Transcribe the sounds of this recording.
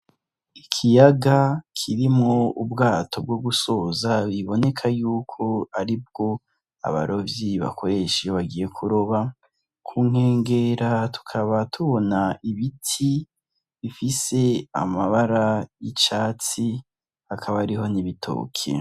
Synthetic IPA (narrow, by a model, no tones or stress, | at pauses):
ikʰijaɡakʰiɾimŋoubɡaːtʰo̞b̚ɡoɡusoːzaβiβo̞ne̞kʰajuːkʰo̞aɾib̚ɡ̥o̞ | a̰βa̰ɾo̞vjiβa̰kʰo̞ɾe̞ʃioβaɡije̞kʰuɾoβa | kʰuːŋ̥he̞ːŋɡeɾatu̥kʰaβatʰuβo̞naʔiβitʰi | βifise̞a̰maβaɾajit͡ʃaːt͡si | hakʰaβaɾiɦo̞niβitʰo̰ːkʰḛ